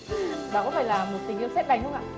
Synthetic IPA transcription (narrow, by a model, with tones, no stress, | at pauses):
ɓaː˨˧˨kɔ˨˦faː˧˩jlaː˨˩mmo˨˩t̚t̪ï˨˩ŋ̟i˧əwsɛ˦˥t̚la˨˩jŋ̟ʔʊ˧ŋ͡mʔa̰ː˧˨